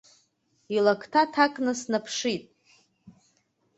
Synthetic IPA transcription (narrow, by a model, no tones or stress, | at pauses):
ilakʰtʰatʰakʼnɨsnapʰʂitʼ